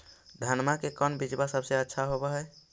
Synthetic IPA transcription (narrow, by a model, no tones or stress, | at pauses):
d̪ʱanmakekənbid͡ʒbasəbseətːʃʰaɦobɛɦɛ